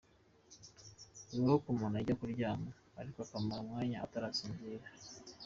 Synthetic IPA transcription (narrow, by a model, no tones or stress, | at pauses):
uɾuokumonaɟakuɾɟaːmo | aɾikakamaɾamŋaːɲaa̰taɾasiːnziɾa